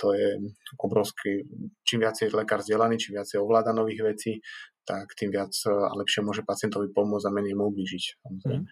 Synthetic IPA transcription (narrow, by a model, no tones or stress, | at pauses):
t̪ɔjɛɔbɾɔʊskʰit͡ʃiːmʋɪat͡sjɛlɛkaːɾzɟɪɛlaniːt͡ʃiːmʋɪat͡sɛjɔʋlaːd̪anɔʋiːɣʋɛt͡siːt̪akt̪iːmʋɪat͡sa̰lɛpʃɪɛmʊɔʒɛpat͡sɪɛnt̪ɔʋipɔmʊɔd͡zamɛɲɛjmuubliːʒicsamɔzɾɛ̰jmɛ